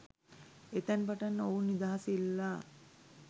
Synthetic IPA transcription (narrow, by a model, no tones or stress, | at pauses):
et̪anpaʈanːəounːid̪aɦasilːa